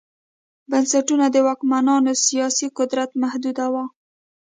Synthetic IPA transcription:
bansaʈunad̪əwɑkmanɑnosijɑsiqʊd̪ɾat̪mahd̪ud̪awa

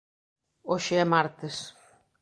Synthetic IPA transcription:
oʃeɛmaɾt̪es

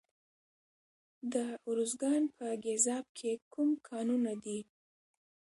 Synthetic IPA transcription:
d̪əʊɾuzɡɑnpʰəɡezɑb̚kʰekumkʰɑnunad̪i

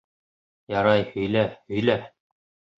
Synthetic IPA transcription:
jɑɾɑjhɵ̆jlæhɵ̆jlæ

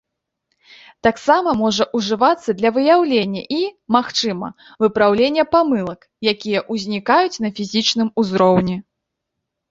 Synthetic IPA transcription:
t̪aksamɐmɔʐɐʔuʐɨvat̪sːɐd̪lʲɐvɨjawlʲenʲːɐ̰ʔimaxt͡ʂɨmɐ̰ | vɨpɾawlʲenʲːɐpamɨlˠɐk | jakʲijɐʔuzʲnʲikajut͡sʲnɐfʲizʲit͡ʂnɨmuzɾɔwnʲi

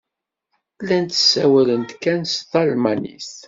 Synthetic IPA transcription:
lːænt̪ə̥sːæwælənt̪kːænsθɑlmænḭs

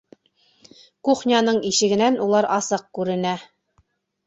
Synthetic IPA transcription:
kuχnʲɑnɤɴiʃɘ̆ɡɘ̆nænulˠɑɾɑsɤq̚kʉɾɘ̆næ

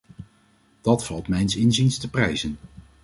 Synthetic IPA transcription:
d̥ɑtfɑlˠtmɛjnsɪnzinstəprɛjzən

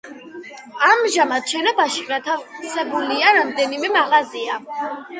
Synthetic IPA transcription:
amʒamat̪ʃɛnɔbaʃiɡat̪ʰavsɛbuliaɾamd̪ɛnimɛmaʁazia

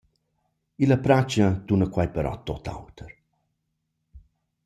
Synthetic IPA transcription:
iləpɾat͡ʃət̪unəkwajpəɾɔ̰t̪ot̪a̰wt̪ʰəɾ

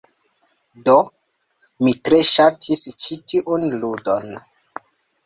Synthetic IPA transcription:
do | mitɾe̞ʃatʰist͡ʃitiʔunludon

